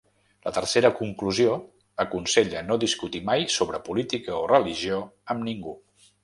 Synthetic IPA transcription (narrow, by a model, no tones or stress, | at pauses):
lət̪əɾseɾəkuŋkluzio | əkunseʎənoðiskut̪imajsoβɾəpulit̪ikəorəliʒioəmniŋɡu